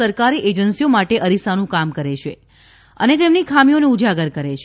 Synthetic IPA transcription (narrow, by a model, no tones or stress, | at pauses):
əɾkaɾiʔed͡ʒənsiomaʈeʔəɾisanũkamkəɾet͡ʃʰe | ə̰net̪emnikʰamioneud͡ʒaɡəɾkəɾet͡ʃʰ